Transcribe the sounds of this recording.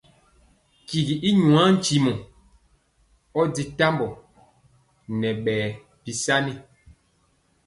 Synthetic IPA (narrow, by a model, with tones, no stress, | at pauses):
ki˨ɡi˨ʔi˦ɲu˨ã˨˦n̩˦t͡ʃi˨mɔ˨ | ɔ˦di˨ta˦mbɔ˨ | nɛ˨ɓɛː˨ | pi˨sa˦ni˦